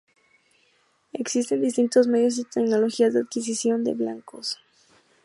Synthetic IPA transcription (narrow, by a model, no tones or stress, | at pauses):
e̞ksist̪e̞nd̪ist̪int̪o̞zme̞ðjo̞s̬it̪ekno̞lo̞xiazðeaðkis̬isjo̞nd̪e̞̰βla̰ŋkos